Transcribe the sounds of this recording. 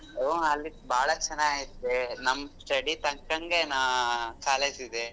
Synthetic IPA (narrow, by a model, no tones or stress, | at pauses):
oɐlːibʱaːɭɐt͡ʃɐnːaːit̪ːenɐmːsʈɐɽit̪ɐŋkɐŋɡenakaːleːsid̪e